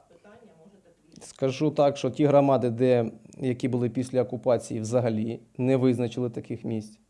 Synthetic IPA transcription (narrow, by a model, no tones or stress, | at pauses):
skɐʒut̪ɑkʃt͡ʃɔtʲiɦɾɔmɑd̪ɪd̪ɛjɐkʲibʊlˠɪpʲisʲlʲɐɔkʊpɑt͡sʲijiwzɐɦɐlʲinɛʋɪznɐt͡ʃɪlˠɪt̪ɐkɪxmʲisʲtʲ